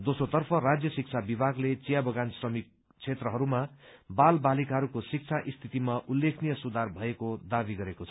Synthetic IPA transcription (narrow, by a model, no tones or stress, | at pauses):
d̪osot̪ʌrpʰʌrad͡zjʌsik̚t͡sʰabibʱaɡlet͡sijabʌɡansrʌmik̚ | t͡sʰet̪rʌɦʌɾumabalbalikɦʌɾukosik̚t͡sʰaʔist̪ʰit̪imaʔulːekʰnijʌsud̪ʱarbʱʌekod̪abiɡʌɾekot͡sʰʌ